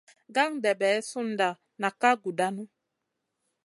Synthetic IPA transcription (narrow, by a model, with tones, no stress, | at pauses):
ɡa˦ŋdɛ˨bɛː˨˦su˦˨n̩˨da˨ | na˨ka˦ɡu˨da˦nu˦